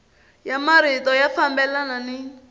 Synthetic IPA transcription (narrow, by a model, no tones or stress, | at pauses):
jamaɾitɔjafambɛlananɪ